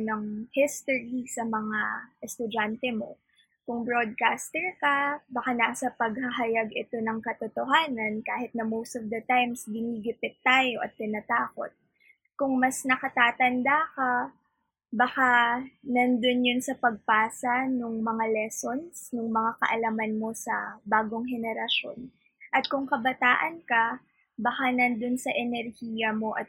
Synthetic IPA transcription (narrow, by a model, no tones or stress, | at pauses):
nɐŋhɪst̪oɹisɐmɐŋaʔɛst̪ʊd͡ʒant̪ɛmo̞̰ | kʊŋbɹod̪̚kaːst̪ɛɹkɐbɐkanaːsɐpɐɡ̚hɐɦɐjaɡɪt̪o̞nɐŋkɐt̪ot̪oɦaːnɐnkaːhɪt̪̚nɐmowst̪ɔvd̪ɐt̪ajmsbɪniːɡɪp̪ɪt̚t̪ːaːjo̞ʔɐt̪̚ːɪnɐt̪aːko̞̰t̪̚ | kʊŋmɐsnɐkɐt̪aːt̪ɐnd̪akɐ | bɐxanɐnd̪onjonsɐpɐɡ̚paːsɐnʊŋmɐŋalɛso̞nsnʊŋmɐŋakɐ̰ʔɐlɐmɐnmo̞sɐ̰baːɡoŋhɛnɛɾɐʃo̞̰n | ʔɐt̪̚kʊŋkɐbɐt̪aːʔɐnkɐ | bɐxanɐnd̪onsɐʔɛnɛɾhijɐmo̞ʔɐt̪̚